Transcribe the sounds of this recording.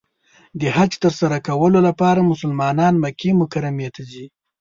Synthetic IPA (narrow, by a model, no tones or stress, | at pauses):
d̪əhat͡ʃt̪əɾsaɾakawəlolapɑɾamʊsəlmɑnɑnmakemʊkaɾamjet̪azi